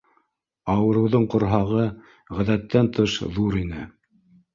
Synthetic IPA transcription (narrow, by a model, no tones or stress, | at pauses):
ɑwɤ̆ɾɤ̆wðɤɴqŏɾɦɑʁɤ | ʁæðæt̪ːænt̪ʰɤʃðuɾinɘ̰